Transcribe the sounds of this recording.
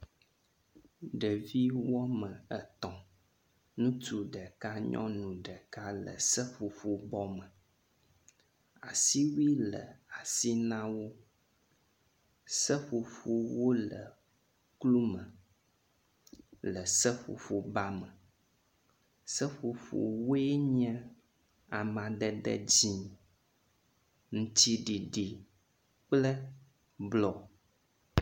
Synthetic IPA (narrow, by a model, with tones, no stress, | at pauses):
ɖə˨vi˦wɔ˦mə̃˨ə˨t̪ɔ̃˨ | nũ˦t̪u˦ɖə˨ka˦ɲɔ̰̃˦nũ˨ɖə˨ka˦lə̰˨sə˦ɸu˨fu˦bɔ˦mə̃˨ | a˨si˦wi˦lə̰˨a˨si˦nã˦wo˦ | sə˦ɸu˨fu˦wo˦lə̰˨ | klu˦mə̃˨ | lə˨sə˦ɸo̰˨fo˨ba˦mə̃˨ | sə˦ɸo˨fo̰˨wo˦e˦ɲɛ̃˦ | a˨mã˨ɖɛ˨ɖə̰˦d͡ʑi˦ | ŋ̩̃˨t̪i˦ɖi˨ɖi˨ | k͡plə˦ | blɔ˨